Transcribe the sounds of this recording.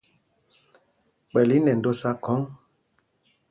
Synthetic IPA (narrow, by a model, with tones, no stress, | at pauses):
k͡pɛ˨li˦nɛ˨n̩˨do˦sa˦kʰɔ˨˦ŋ